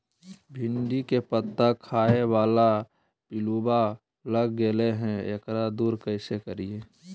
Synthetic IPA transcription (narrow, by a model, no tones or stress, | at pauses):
bʱɪ̃ɳɖikepət̪ːakʰaːewaːla | pɪluːba | ləɡɡeleɦɛ̃ḛːkɾad̪uːɾkəɪsekəɾieː